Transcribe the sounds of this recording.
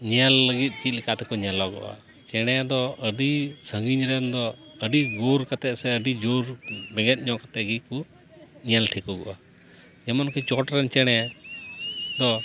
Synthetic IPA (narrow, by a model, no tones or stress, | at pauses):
ɲalːəɡit̪̚ˀt͡ʃit̪̚likʰat̪ɛkɔɲɛlɔɡɔ̰ʔa̰ | t͡ʃɛɽ̃ɛd̪ɔəɖisəŋɡiɲɾɛnd̪ɔəɖiɡoɾkat̪ɛʔsɛəɖid͡ʒoɾbɛɡɛt̪̚ˀɲɔ̃ʔkat̪ɛɡit̪̚ku | ɲalʈʰikɔɡɔ̰ʔa | d͡ʒɛmɔnkit͡ʃɔʈɾɛnt͡ʃɛɽ̃ɛ | d̪ɔ